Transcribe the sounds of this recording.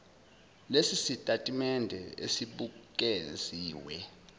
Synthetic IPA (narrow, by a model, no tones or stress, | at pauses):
lesisitʼatʼimɛndʱɛḛsiɓuk̬ʼeziːwɛ